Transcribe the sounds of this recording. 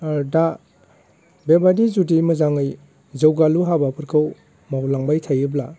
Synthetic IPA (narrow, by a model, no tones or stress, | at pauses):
da | bebadizudimɯzaŋɯj | zɯwɡaluɦabapʰɯɾkʰɯw | mawlaŋbajtʰajɯbla